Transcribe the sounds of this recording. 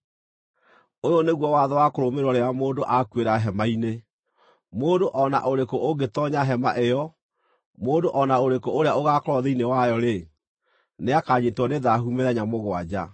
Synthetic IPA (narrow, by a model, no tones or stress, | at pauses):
ojɔneɣwɔwaðɔwakoɾomeɾwɔɾeamoːndoʔakweɾaɦɛmaine | moːndoʔɔna̰ʔoɾekoʔoɡetɔɲaɦɛma̰ʔejɔ | moːndoʔɔnaoɾekooɾeaoɣakoɾɔðeinewajɔɾe | neakaːɲetwɔneðaɦumeðɛɲamoɣwad͡ʑa̰